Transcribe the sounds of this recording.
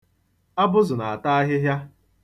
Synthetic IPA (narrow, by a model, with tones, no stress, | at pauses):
a˦bʊ˦zʊ˨na˨a˨ta˦a˦ɦɪ˦ɦja˦